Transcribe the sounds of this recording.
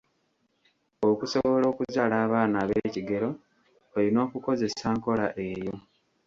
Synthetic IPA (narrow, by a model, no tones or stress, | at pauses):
okuso̞βo̞lo̞ːkuzaːlaːβaːnaβeːciɡe̞ɾo̞ | elino̞ːkuko̞ze̞saːŋko̞laʔe̞ːjo̞